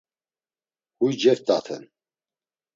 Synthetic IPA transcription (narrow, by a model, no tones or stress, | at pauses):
hujd͡ʒɛɾt̪ʼat̪ʰɛ̰n